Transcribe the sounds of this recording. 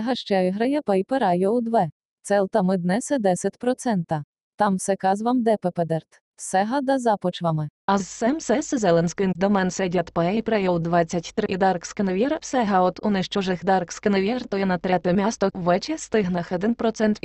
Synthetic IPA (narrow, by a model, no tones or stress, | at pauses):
ɦɐʃt͡ʃɛɪɦɾɐjɛpɛjpɛɾɑjɔwd̪ʋɛ | t̪sɛlˠt̪ɐmɪd̪nɛsɛd̪ɛsʲɐtʲpɾɔt̪sɛnt̪ɐ | t̪ɑmwsɛkɑzʋɐmd̪ɛpɛpɛd̪ɛrt̪ | sɛɦɐd̪ɐzɑpɔt͡ʃʋɐmɪɐzsɛmsɛsɛzɛlˠɛnʲsʲkɪnk̪d̪ɔmɛnsɛdʲɐt̪pɛɛjpɾɛjɔwd̪ʋɑt͡sʲːɐtʲt̪ɾɪid̪ɑrkskeneʋʲjɛɾsɛɦɐɔt̪ʊnɪʃt͡ʃɔʒɪxd̪ɑrkskeneʋʲjɛrt̪ɔjɛnɐt̪ɾɛt̪ɪmʲast̪ɔʋɛt͡ʃɛst̪ɪɦnɐxɔd̪ɪnpɾɔt̪sɛnt̪